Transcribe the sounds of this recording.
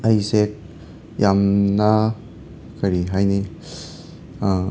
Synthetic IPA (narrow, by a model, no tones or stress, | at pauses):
ajsek̚ | jamna | kʰaɾiɦajni